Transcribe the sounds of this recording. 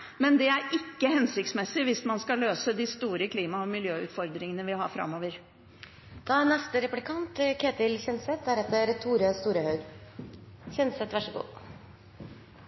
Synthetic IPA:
mɛnd̪ɛæɾɪkːəhɛnsɪk̚t̪smɛsːɪʋɪsmɑnskɑløːsəd̪ɪːst̪uːɾəkʰliːmɑɔmɪljøːʉ̰ːt̪fɔɾd̪ɾɪŋənəʋɪhɑ̰ːɾfɾɑ̰mːoːʋəɾ | d̪̥ɑnɛst̪əɾɛplɪkʰɑnt̪kʰeːt̪ɪlɕɛnsɛt̪̚æɾɛt̪ːəɾt̪ʰuːɾəst̪uːɾəhœʏɡ | çɛnsɛt̪ʋæʂəɡṵː

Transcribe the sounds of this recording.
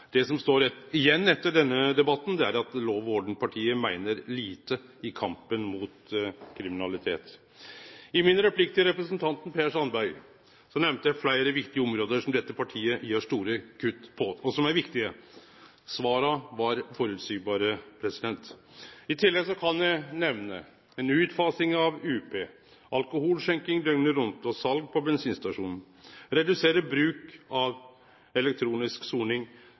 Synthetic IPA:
d̪̥ɛsɔmst̪oːɾɛt̪ːɪjɛnːɛt̪ːəɖɛnːəd̪ɛbɑt̪ːnd̪ɛæɾɑt̪loːʋoːɖɳ̩pʰɑʈʰiːəmæɪnəɾliːt̪ə | ɪkʰɑmpənmʊt̪kʰɾɪmɪnɑlɪt̪ʰḛːt̪ | ɪmɪnɾɛpʰlɪkt̪ɪəɾɛpɾəsnt̪ʰɑnt̪npʰeːʂɑnbæʏ | sɔmnɛʋmt̪əjæɪflæɪɾəʋɪkt̪ɪəɔmɾoːd̪əʂɔmd̪ɛt̪ːəpʰɑʈʰiːəjøːʂt̪uːɾəkʰʉt̪ːpʰɔɔsɔmæɾʋɪkt̪ɪə | sʋɑːɾɑʋɑɾfɔɾʉːt̪syːbɑːɾəpʰɾɛsɪd̪ɛnt̪ | ɪt̪ʰɪlːɛɡsɔkʰɑnjæɪnɛʋnə̰ | ɛnʉːt̪fɑːsɪŋɑʋʉːpʰeː | ɑlkʊhuːlʂɛŋkɪŋd̪œŋnəɾʊnt̪ɔsɑlɡ̚pʰɔbɛnsiːnst̪ɑʂuːnn̩ | ɾɛd̪ʉseːɾəbɾʉːkɑʋ | ɛlɛk̚t̪ʰɾuːnɪsksuːɳɪŋ

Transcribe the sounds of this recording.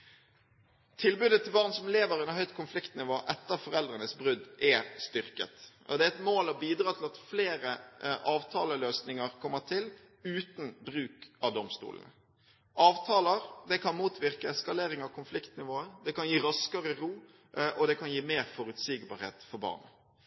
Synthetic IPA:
t̪ʰɪlbʉːd̪ət̪ʰɪlbɑːʁnsɔmleːʋəɾɛnəhœʏt̪kʰʊnflɪkt̪nɪʋoːʔɛt̪ːəɾfɔɾɛld̪ɾənəsbɾʉd̪ʔɛst̪ʏɾkə̰t̪ | ɔ̰d̪ɛæɛt̪moːlɔbiːd̪ɾɑːt̪ʰɪlɑt̪fleːɾəʔɑːʋt̪ʰɑːləløːsnɪŋəʁkʰɔmːət̪ʰɪl | ʉːt̪n̩bɾʉːkɑʋd̪ɔmst̪ṵːlə̰nə̰ | ʔɑːʋt̪ʰɑːləɾd̪ɛkʰɑnmuːt̪ʰʋɪʁkəɛskɑleːɾɪŋɑʋkʰʊnflɪkt̪nɪʋoːəd̪ɛkɑnjiːɾɑskəɾəɾuː | ʔɔd̪ɛkʰɑnjiːmeːɾfɔɾʉt̪siːɡbɑ̰ɾhḛːt̪fɔɾbɑ̰ːʁn

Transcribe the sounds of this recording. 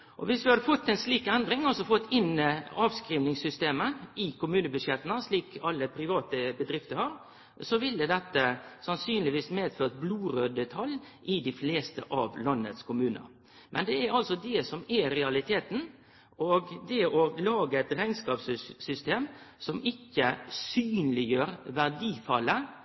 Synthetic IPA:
ʔɔ̰ʋɪsd̪ʉhɑd̪əfɔt̪ːɛnsliːkɛnd̪ɾɪŋɑlsɔfɔt̪ːɪnəɑːʋskɾiːʋnɪŋsʏst̪eːməɪkʊmʉːnəbʉʂjɛt̪ənəsliːkʰɑlːəpʰɾɪʋɑːt̪əbəd̪ɾɪft̪əɾhɑːɾ | sɔʋɪld̪əd̪ɛt̪ːəsɑnsyːnlɪʋiːsmeːd̪føːʁt̪̚bluːɾøːd̪ət̪ʰɑl | ʔɪd̪ɪfleːst̪ə̰ʔɑ̰ʋlɑnːə̰t̪skʰʊmʉːnə̰ɾ | mʔɛnd̪ɛæɾɑlsɔd̪ɛsɔmɛɾɛɑlɪt̪ʰeːt̪n̩ | oɡd̪ɛɔlɑːɡəɛt̪ɾæɪnskɑːpssʏst̪eːmsɔmɪkːəsyːnlɪjøːɾʋæʁd̪iːfɑlːə

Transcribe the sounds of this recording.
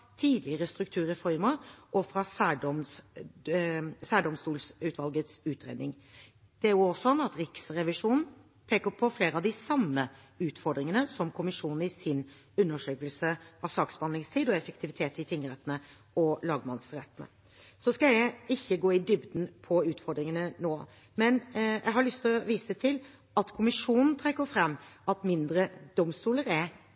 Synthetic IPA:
t̪ʰiːd̪lɪəɾəst̪ɾʉkt̪ʰʉːɾəfɔɾməʔɔfɾɑsæːɖɔms | sæːɖɔmst̪uːlsʉːt̪ʋɑlɡət̪sʉːt̪ʰɾḛːd̪nɪŋ | d̪̥ɛæɾjʊɔsɔnːɑt̪ɾɪksɾɛʋɪʂuːnn̩ | pʰeːkəpʰɔfleːɾəɑʋd̪ɪsɑmːə | ʉːt̪fɔɾɖ̪ɾɪŋənəsɔmkʰʊmɪʂuːnn̩ɪsɪn | ʉnːəʂøːkəlsəɑʋsɑːksbɑnɪŋst̪ʰiːd̪ɔɛfək̚t̪ʰɪʋɪt̪ʰeːt̪ɪt̪ʰɪŋːəɾɛt̪nə | ɔlɑːɡmɑnsɾɛt̪ːnə̰ | sɔskɑlæɪçːəɡoːɪd̪ʏbd̪n̩pʰɔʉːt̪fɔɾd̪ɾɪŋənənoː | mɛnjʔæ̰ɡɦɑɾɭʏst̪ʰɔʋiːsət̪ʰɪl | ɑt̪kʰʊmɪʂuːnn̩t̪ʰɾɛkːəɾfɾɛmːɑt̪mɪnd̪ɾəd̪̥ɔmst̪uːləɾæɾ

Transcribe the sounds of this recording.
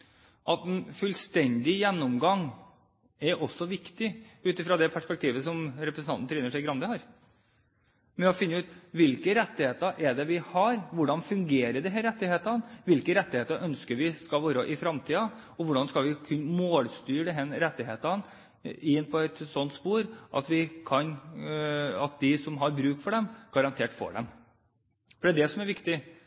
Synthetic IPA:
ʔɑt̪ɛnfʉlst̪ɛnd̪ɪjɛnːɔmɡɑŋ | ɛɾɔsːɔʋɪkt̪ɪʉːt̪ɪfɾɑːd̪ɛpʰæʂpɛk̚t̪ʰiːʋəsɔmɾɛpɾəsn̩ɑnn̩ʰɾɛːnəʂæɪɡɾɑnd̪əhɑːɾ | mɛnɑfɪnːəʉːt̪ʋɪlkəɾɛt̪ːɪheːt̪əʔɛɖɛʋɪhɑɾʋʊɖɑnfʉŋɡeːɾəɖɛɦɛɾɛt̪ːɪheːt̪ɑnʋɪlkəɾɛt̪ːɪheːt̪əɾʔœnskəɾʋɪskɑlʋoːɾəʔɪfɾɑmt̪ʰiːɑ | ɔʋʊɖɑnskɑlʋɪkʰʉnmoːlst̪yːɖɛɦɛnɾɛt̪ːɪɦeːt̪ɑn | ɪnːpʰɔɛt̪sɔnt̪spuːɾʔɑ̰t̪ʋɪkʰɑn | ɑt̪̚d̪ɪsɔmɦɑɾbɾʉːk̚t̪fɔɖɛmɡ̥ɑɾɑnt̪ʰeːʈfɔ̰ɖɛ̰m | fɔɖɛæːd̪ɛsɔmæɾʋɪkt̪ɪ

